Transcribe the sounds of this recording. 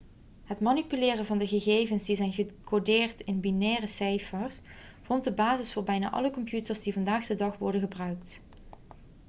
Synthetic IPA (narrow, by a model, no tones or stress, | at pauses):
ɦətmanipylɪːrəvɑndəɣəɣejvənsdizɛjnɣəkʰodɪːrtɪnbinɛːrəsɛjfəɹs | v̥ɔnt̚dəbaːzɪsfʊːɹbɛjna̰ːʔɑ̰ləkɔmpjutəɹzdivɑndaːχdədɑχʋɔɹdənχəbrœɥkt